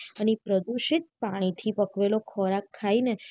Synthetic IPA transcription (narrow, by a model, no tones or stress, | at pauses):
ənipɾəd̪uʃɪt̪̚paɽ̃it̪ʰipəkʋelokʰɔɾakʰːaine